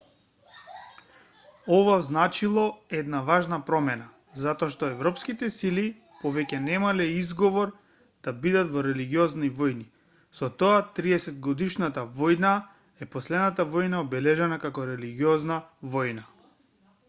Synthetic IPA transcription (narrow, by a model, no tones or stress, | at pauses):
ɔvaznat͡ʃilˠɔɛd̪navaʒnapɾɔmɛna | zat̪ɔaʃt̪ɔɛvɾɔpskit̪ɛsili | pɔvɛcɛnɛmalɛizɡɔvɔɾ | d̪̥abid̪at̪vɔɾɛliɡiɔznivɔjni | sɔt̪ɔat̪ɾiɛsɛd̪ɡɔd̪iʃnat̪avɔjna | ɛpɔslɛd̪nat̪avɔjnaɔbɛlɛʒɛnakakɔɾɛliɡiɔznavɔjna